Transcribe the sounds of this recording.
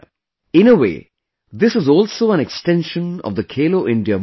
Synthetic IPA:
ɪ̃nəʋḛː | d̪ɪsɪzɔːlsoːæ̃neksʈɛ̃nʃə̃nɔ̰ʋd̪əkʰeːloːʔɪ̃ɳɖiə

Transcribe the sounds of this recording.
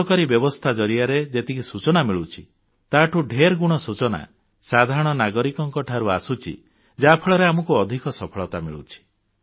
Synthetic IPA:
ɔkaɾibjɔbɔst̪ʰad͡ʒɔɾiaɾed͡ʒet̪ikisut͡ʃɔnamiɭut͡ʃʰi | t̪aʈʰuɖʱeɾɡuɽ̃ɔsut͡ʃɔna̰ | sad̪ʱaɾɔɽ̃ɔnaɡɔɾikɔŋkɔʈʰaɾuasut͡ʃʰḭ | d͡ʒapʰɔɭɔɾeamɔkuɔd̪ʱikɔsɔpʰɔɭɔt̪amiɭṵt͡ʃʰi̥

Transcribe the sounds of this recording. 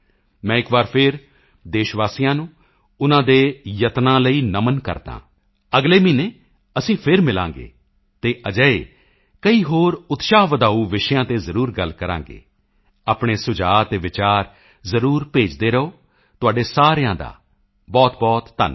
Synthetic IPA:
mɛ̃ːɪkbaːɾpʰɪɾ | d̪eːʃʋaːsijãːnũː | ʊnãːd̪eːjət̪nãːləiːnəmənkə̰ɾd̪ã̰ː | əɡleːmiːneː | əsĩːpʰɪɾmɪlã̰ːŋɡḛː | t̪eːʔəd͡ʒəːḛː | kəiːɦoːɾʊt̪ʃaːʋəd̪aːuːʋɪʃjãːt̪eːzəɾuːɾɡəlkəɾã̰ːŋɡḛː | aːpɳ̃eːsʊd͡ʒaːt̪eːʋɪt͡ʃaːɾ | zəɾuːɾpeːd͡ʒd̪eːɾəoː | t̪ʊaːɖeːsaːɾjãːd̪a̰ː | bɔːt̪bɔːt̪ːə̰n

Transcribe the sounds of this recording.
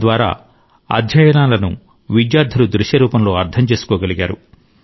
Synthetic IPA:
ʋaːɾa̰ː | ɐ̰d̪ʱjɐjɐnaːlɐnṵ | ʋid͡ʒjaːɾd̪ʱɐlud̪ɾuʃjɐɾuːpɐmlo̞ːɐɾt̪ʰɐmt͡ʃe̞ːsu̥kɔːɡɐliɡaːɾṵ

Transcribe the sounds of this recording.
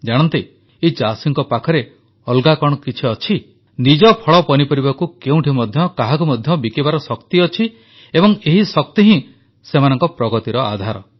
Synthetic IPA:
d͡ʒaɽ̃ɔnt̪i | et͡ʃasiŋkɔpakʰɔɾe | ɔlɡakɔɽ̃ɔkit͡ʃʰiɔt͡ʃʰi | nid͡ʒɔpʰɔɭɔpɔnipɔɾibakukeũʈʰimɔd̪ʱjɔkaɦakumɔd̪ʱjɔbikibaɾɔsɔkt̪iɔt͡ʃʰi | ebɔŋeɦisɔk̚t̪iɦĩ | semanɔŋkɔpɾɔɡɔt̪iɾɔad̪ʱaɾɔ̰

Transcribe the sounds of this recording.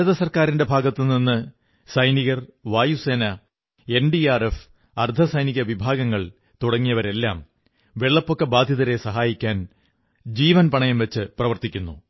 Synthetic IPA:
ɐðɐsɐrkaːɾinde̞bʱaːɡɐt̪ːɨninːɨ | sɐjniɣɐrʋaːjuse̞ːnɐ | e̞nɖiaːref | ɐrd̪ʱɐsɐjniɣɐʋibʱaːɡɐŋːɐɭ | t̪uɽɐŋːijɐʋɐɾe̞lːaːm | ʋeɭːɐpːo̞kːebaːd̪ʱjɐðɐɾe̞sɐɦaːjikʲːaːn | d͡ʑiːʋɐnpɐɳɐjɐmʋɐt͡ɕːɨprɐʋɐrt̪ikʲːunːu

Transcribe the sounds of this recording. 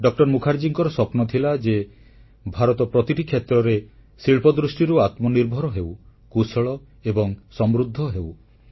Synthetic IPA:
ɖɔk̚ʈɔɾmukʰaɾd͡ʒiŋkɔɾɔsɔpnɔt̪ʰilad͡ʒe | bʱaɾɔt̪ɔpɾɔt̪iʈikʰjet̪ɾɔɾe | siɭpɔd̪ɾusʈiɾuat̪mɔniɾbʱɔɾɔɦewkusɔɭɔ | ebɔŋsɔmɾud̪ʱːɔɦew

